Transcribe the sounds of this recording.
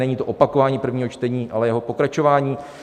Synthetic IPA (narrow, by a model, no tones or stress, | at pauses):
nɛɲiːt̪oʔopakovaːɲiːpr̩vɲiːɦot͡ʃt̪ɛɲiːʔalɛjɛɦopo̞kɾat͡ʃo̞vaːɲiː